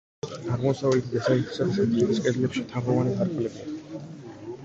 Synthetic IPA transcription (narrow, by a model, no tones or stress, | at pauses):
aʁmɔsavɛlt̪ʰid̪asait̪ʰi̥sad̪ist̪ʰʼɛbiskʼɛd̪lɛpʃit̪ʰavʁɔvanikʰaɾkʰʼulɛbi